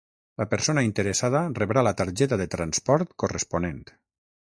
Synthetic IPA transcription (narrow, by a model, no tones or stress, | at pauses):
ləpəɾsonaint̪əɾesað̞əreβɾalət̪aɾʒɛt̪aðet̪ɾanspɔɾt̪koresponent̪